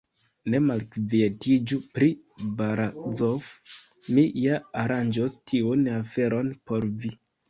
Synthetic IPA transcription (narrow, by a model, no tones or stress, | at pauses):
ne̞malkvietʰid͡ʒupɾi | baɾazof | mijaaɾand͡ʒostʰiunafe̞ɾo̞npo̞ɾvi